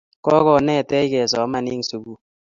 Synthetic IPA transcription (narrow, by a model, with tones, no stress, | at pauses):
kɔ˦kɔ˨nɛ˦˨tɛ˦jkɛ˨sɔ˨˦ma˨nɪ˦ŋsu˨bu˦